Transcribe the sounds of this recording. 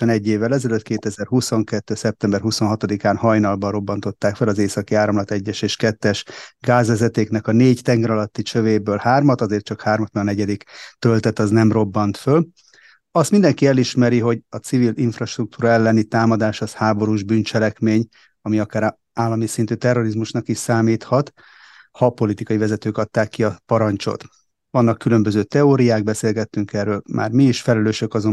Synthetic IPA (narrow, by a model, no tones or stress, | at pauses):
ɛnɛɟːeːvːɛlɛzɛløt̪keːt̪ɛzɛrhuso̞ŋkɛt̪ːøːsɛp̚t̪ɛmbɛrɦuso̞nɦɒt̪od̪ikaːnhɒjnɒlbɒɾo̞bːɒnt̪o̞t̪ːaːkfɛlɒzeːsɒkiaːɾɒmlɒt̪ɛɟːɛʃeːʃkɛt̪ːɛʃɡaːzʋɛzɛt̪eːknɛkɒneːɟt̪ɛŋɡɛɾɒlɒt̪ːit͡ʃøveːbøːlhaːrmɒt̪ɒzeːrt̚t͡ʃɒkhaːrmɒt̪mɛɡɒnɛɟɛd̪ikt̪ø̞lt̪ɛt̪ɒznɛmro̞bːɒnt̪føl | ɒst̪mind̪ɛŋkiɛliʃmɛɾiɦo̞ɟɒt̪siviliɱfrɒʃt̪ruk̚t̪uːɾɒɛlːɛnit̪aːmɒd̪aːʃɒshaːbo̞ɾuːʒbyːnt͡ʃɛlɛkmeːɲ | ɒmiɒkaːɾ | aːlːɒmisint̪yːt̪ɛrːo̞ɾizmuʃnɒkiʃsaːmiːt̪hɒt̪ | hɒpo̞lit̪ikɒjivɛzɛt̪øːkɒt̪ːaːkːiɒpɒɾɒnt͡ʃo̰t̪ | ʋɒnːɒkːylø̞mbøzøːt̪ɛoːɾijaːɡ̚bɛseːlɡɛt̪ːyŋkɛrøːlmʔa̰ːrmiiʃfɛlɛløːʃø̞kɒzo